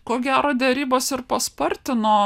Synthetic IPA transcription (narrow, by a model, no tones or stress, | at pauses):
koːɡʲæːɾoːd̪ʲɛɾʲiːboːsɪɾpɐspɐɾʲt̪ʲɪnoː